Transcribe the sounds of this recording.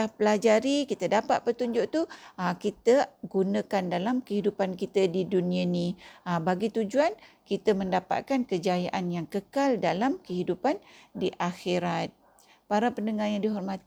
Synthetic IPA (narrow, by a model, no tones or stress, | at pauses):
ahpəlad͡ʒaɾikit̪ədapat̪̚pət̪uɲd͡ʒʊʔt̪uəkit̪əɡunãkandalamkəɦidupankit̪ədidunĩanĩəbaɡit̪ud͡ʒuankit̪əməndapa̰t̪̚kankəd͡ʒajaʔanjaŋkəkaldalamkəɦidupandiʔaxiɾat̪̚ | paɾapəndəŋarjaŋdiɦɔrmat̪i